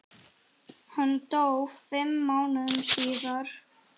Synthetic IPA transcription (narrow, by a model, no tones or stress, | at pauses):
hanːt̪owvfɪmːaːwnʏðʏmsiːðaɾ̥